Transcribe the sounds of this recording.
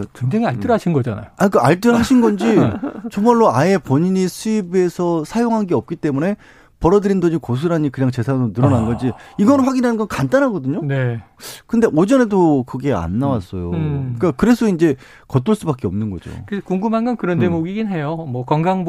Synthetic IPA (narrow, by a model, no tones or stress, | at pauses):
tensʰeŋiaɭt͈ɯɾaɕʰinɡʌd͡ʑa̰na̰joaɲik͈aaɭt͈ɯɾɦaɕʰinɡʌnd͡ʑit͡ɕʌŋmaɭːoae̞pʌɲiɲisʰuibe̞sʰʌsʰajoŋɦanɡe̞ʌp̚k͈it͈e̞mune̞ | pʌɾʌdɯɾindʌɲd͡ʑikos̬ʰɯɾaɲikɯɲaŋt͡ɕe̞sʰanonɯɾʌnanɡʌd͡ʑiiɡʌnɯɸwaɡinɦanɯnɡʌnkant͈anɦaɡʌdɯɲone̞ | kɯnde̞ʔod͡ʑʌnedokɯɡe̞a̰nːawas͈ʌjok͈akɯɾe̞sʰʌind͡ʑe̞ | kʌt̬͈oɭs͈ubak͈eʌmnɯnɡʌ̰d͡ʑo̰kɯskuŋɡumɦanɡʌnkɯɾʌnte̞moɡiɡinɦe̞jomwʌkwaŋɡaŋb